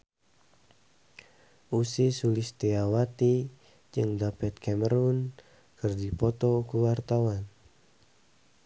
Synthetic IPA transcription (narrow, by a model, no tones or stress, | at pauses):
ʔusisulist̪ɛawat̪i | d͡ʒɨŋdapɛt̪̚kʰɛməɾun | kɨrdipɔt̪ɔkuwart̪awan